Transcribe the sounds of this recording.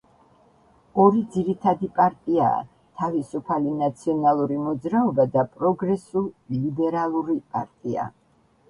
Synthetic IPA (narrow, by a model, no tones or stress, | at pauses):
ɔɾid̪ziɾit̪ʰad̪ipʼaɾt̪ʼia̰ː | t̪ʰavisupʰalinat̪sʰiɔnalˠuɾimɔd̪zɾaɔbad̪apʼɾɔɡɾɛsulˠlibɛɾalˠuɾipʼaɾt̪ʼia̰